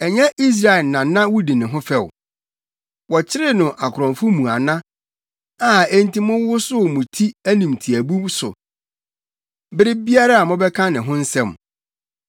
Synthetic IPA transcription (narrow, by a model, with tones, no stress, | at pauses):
ɛ˨ɲɛ̃˦ʔi˦s̬ɾa˨ɛ˨nã˨nã˦wʊ˦dĩ˨nɪ̃˨ɦʊ̃˦fɛ˦˨w | wɔ˨t͡ɕʰɪ˦ɾɪ˦nʊ̃˨ʔa˨kʰɾɔ̃˨ɱfʊ˦mũ˨a˨nã˦ | a˨ɛ˦n˦tĩ˦mʊ̃˦ʊ˦sʊ˦˨mʊ̃˨tʰi˦æ˦nĩ˨mtʰi˨æ˨bũ˦msʊ̰˨ | bɪ˦ɾɪ˦bi˦a˦ɾa˦a˨mʊ̃˦bɛ˦kʰã˦nɪ̃˨ɦʊ̃˦n̩˦sɛ̃˦˨m